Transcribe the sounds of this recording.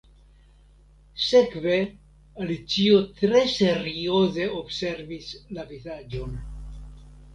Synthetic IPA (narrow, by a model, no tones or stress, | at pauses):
sekve̞ | alit͡siot̪ɾe̞seɾioze̞obse̞ɾvislavizad͡ʒo̞n